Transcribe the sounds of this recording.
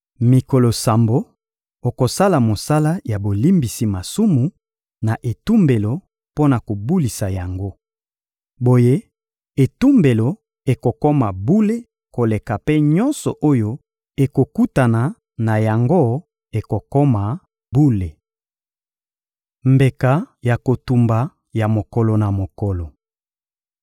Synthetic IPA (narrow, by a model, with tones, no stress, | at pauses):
mi˨ko˨lo˨sa˨mbo˦ | o˨ko˨sa˦la˨mo˨sa˦la˦ja˨bo˨li˦mbi˨si˨ma˨su˦mu˨ | na˨ʔe˨tu˦mbe˨lo˨ | po˦na˨ko˨bu˦li˨sa˨ja˨ŋɡo˦ | bo˨je˦ | e˨tu˦mbe˨lo˨ | e˨ko˨ko˦ma˨bu˦le˦ | ko˨le˨ka˨pe˦ɲɔ˦nsɔ˨ʔo˦jo˦ | e˨ko˨ku˦ta˨na˨ | na˨ja˨ŋɡo˦ | e˨ko˨kɔ˦ma˨ | bu˦le˨ | mbe˨ka˨ja˨ko˨tu˨mba˨ | ja˨mo˨kɔ˨lɔ˨na˨mo˨kɔ˨lɔ˨